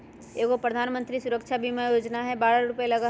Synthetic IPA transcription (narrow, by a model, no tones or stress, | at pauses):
eːkopɾɐd̪ʱaːnmə̃nt̪ɾisʊɾəkʃʰabʱimajoːd͡ʒnaɦɛbaːɾaɾʊpelɐɡa